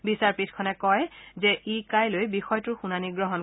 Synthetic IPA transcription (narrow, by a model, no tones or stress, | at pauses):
bisaɹpitʰkʰɔnɛkɔjzɛʔikajlojbixɔjtʊɹxunaniɡɹɔɦɔn